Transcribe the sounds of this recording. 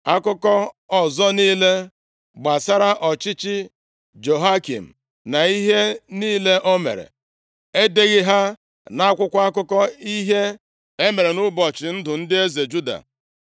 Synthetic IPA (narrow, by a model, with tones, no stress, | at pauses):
a˦kʊ˦kɔ˦ɔ˨zɔ˦niː˦le˦ | ɡ͡ba˨sa˦ɾa˦ʔɔ˨t͡ʃɪ˦t͡ʃɪ˦ | d͡ʒo˨ɦa˦kḭ˨m̩˨ | na˨i˦ɦe˦niː˦le˦ʔo˦mḛ˨ɾḛ˨ | e˦de˦ɣɪ˦ɦa˦ | na˦a˦kʷʊ˦kʷa˦a˦kʊ˦kɔ˦i˦ɦe˦ | e˦me˨ɾe˨nʊ˦bɔ˨t͡ʃɪ˨n̩˦dʊ˨n̩˦dɪ˦e˦ze˨d͡ʒu˦da̰˨